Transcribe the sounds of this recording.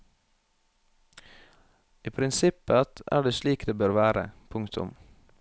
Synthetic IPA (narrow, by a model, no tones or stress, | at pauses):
iːpʰɾɪnsɪpəɑt̪æ̰ːɖeːʃliːkd̪eːbøːɾʋæːɾə̰pʰʊŋkt̪ʰʊ̰m